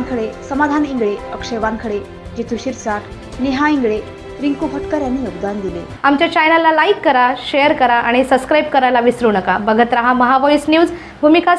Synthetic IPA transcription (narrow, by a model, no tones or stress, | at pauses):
ŋkəɽesəmad̪ʱaniŋɡɭeəkʂeʋaŋkʰəɽe | d͡ʑet̪ʰuɕiɾsaʈ | neɦaiŋɡɭe | ɾiŋkufəʈkəɾjanːijoɡd̪and̪ile | amt͡ɕjat͡ɕajnalalaikːəɾaɕejəɾkəɾaʔaɽ̃isəbskɾajb̚kəɾajlaʋisɾunəkabəɡʱət̪ɾaɦaməɦaʋɔjsnjuːz | bʱumika